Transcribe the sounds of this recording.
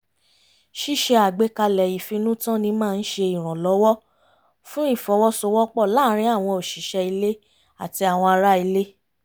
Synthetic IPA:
ʃi˦˨ʃɛ˧a˨ɡ͡be˨˦ka˧lɛ˨i˨fĩ˧nũ˦tã˦nĩ˧˦mãː˦˧n̩˦ʃe˧i˨ɾ̃ɔ̃˨lɔ˨˦wɔ˦ | fũ˦i˦˨fɔ˨˦wɔ˦sɔ˧wɔ˦k͡pɔ˦˨la˦ɾ̃ĩ˧˦a˦˨w̃ɔ̃˧o˨ʃi˨˦ʃɛ˧i˧le˦ | a˦˨ti˧a˨w̃ɔ̃˧a˧ɾa˦i˧le˦

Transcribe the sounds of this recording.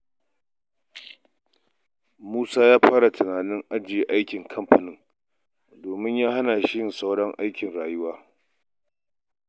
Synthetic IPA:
muː˦saː˦jaː˦ɸaː˦ɽa˨tɐ˨naː˨nɪ˦ŋʔa˦d͡ʒɪ˨je˨ʔa˦jkʲɪ˨ŋkʰɐ˦mɸɐ˨nɪ˦ŋ | doː˨mɪ˦ɲjaː˦ha˦naː˨ʃɪ˦jɪ˨sa˦wɽɐ˦ŋʔa̰˦jkʲɪ˨nɽaː˨jʊ˦waː˦

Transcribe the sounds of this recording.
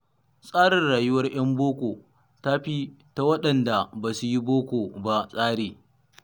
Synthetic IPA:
sʼaː˦ɽɪ˨nɽaː˨jʊ˦wɐ˦rj̰ɐ˦mboː˦kʷoː˨ | ta˦ɸi˦ta˦wɐ˦ɗɐ˨nda˨baː˨su˦ji˦boː˦kʷoː˨ba˦sʼaː˦ɽeː˨

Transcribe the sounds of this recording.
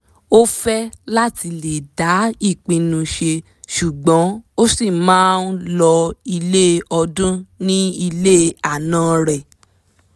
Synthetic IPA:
o˦fɛ˦la˦ti˧le˨da˨˦i˦˨k͡pĩ˧nũ˧ʃe˧ | ʃu˨ɡ͡bɔ̃˨˦o˦si˦˨mãː˨˦n˦lɔ˧i˧le˦ɔ˧dũ˦nĩ˦i˧le˦a˦˨nãː˦ɾɛ˨

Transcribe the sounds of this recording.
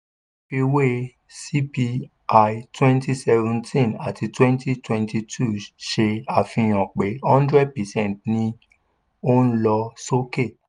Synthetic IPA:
pi˧we˦ | si˦pi˧ | a˧jtwɛ̃˦nti˦sɛ˧vɛ̃˧ntʰĩ˦˨na̰˨ti˧twɛ̃˦nti˦twɛ̃˧nti˧tʰu˦˨ʃe˧a˨fĩ˧˨j̃ɔ̃˨k͡pe˨˦hɔ̃˦ndɾɛ˦d̚pɛ˨sɛ̃˦˨tnĩ˧ | o˦n̩˦lɔ˧so˦ke˦˨

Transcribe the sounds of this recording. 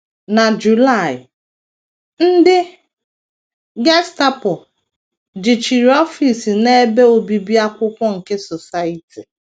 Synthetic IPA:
na˨d͡ʒu˨la˦˨ɪ˨ | n̩˦dɪ˦ | ɡe˦sta˦pʊ˨ | d͡ʒi˨t͡ʃi˨ɾi˨ɔ˦fi˨si˨ne˦be˦o˨bi˨bi˦a˦kʷʊ˦kʷɔ˦ŋ̩˨ke˦sɔ˨sa˦i˨ti˨

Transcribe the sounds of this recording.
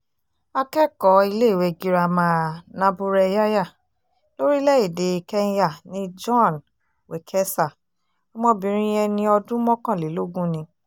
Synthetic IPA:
a˧kɛ˦kɔ˨˦i˧le˦˨we˧˨ɡi˦ɾa˧mãã˦nã˦bu˧ɾɛ˧ja˦ja˦˨ | lo˦ɾi˦lɛ˦i˨de˨˧˨kɛ˦ja˦˨nĩ˦d͡ʒɔ̃˦˨n | we˨kʰɛ˦sa˦˨ | ɔ˧˦mɔ̃˦bĩ˨˦ɾ̃ĩ˦jɛ˧nĩ˧˦ɔ˧dũ˦mɔ̃˦kã˦˨le˨˦lo˦ɡũ˦nĩ˧

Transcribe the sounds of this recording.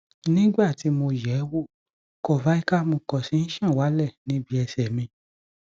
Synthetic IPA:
nĩ˦ɡ͡ba˦˨ti˨˦mo˧jɛ˨˦wo˦˨ | kɔ˦˨va˨˦i˦ka˦mo˧kɔ˨si˨˦n̩˦ʃã˦˨wa˨˦lɛ˦˨nĩ˨˦bi˦ɛ˧sɛ˨mĩ˧

